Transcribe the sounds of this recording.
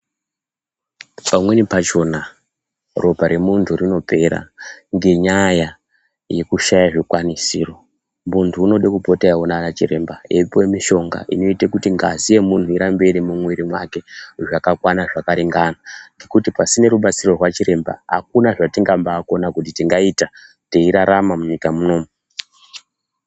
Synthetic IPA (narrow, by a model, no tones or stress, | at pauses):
pamwe̞nipat͡ʃo̞na | ro̞paɾe̞muntʰurino̞pe̞ɾa̰ŋɡe̞ɲaja | je̞kuʃajaʐikwanisiːro̞ | muntʰuːno̞ɗekupo̞taawonanat͡ʃiɾe̞mbaepoemiʃo̞ŋɡa̰ʔḭno̞itekutiŋɡazije̞muntuiɾambe̞ɾimumwiɾimwake̞ʐakakwanaʐakaɾiŋɡanaŋɡe̞kutipasine̞ɾuɓat͡siro̞rwat͡ʃiɾe̞mba̰ɦa̰kunaʐatiŋɡambaːko̞nakutitiŋɡaita | teiɾaɾamamuɲikamuno̞ːmu